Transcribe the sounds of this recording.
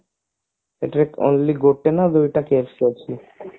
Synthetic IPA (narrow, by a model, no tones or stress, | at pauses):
ḛʈaɾeko̰nliɡoʈːenad̪ojʈakeɾsket͡ɕʰi